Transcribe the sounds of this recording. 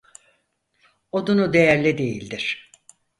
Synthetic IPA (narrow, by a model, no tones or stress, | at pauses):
od̪unud̪e̞jæɾlʲɛd̪e̞jilʲd̪iɾ̥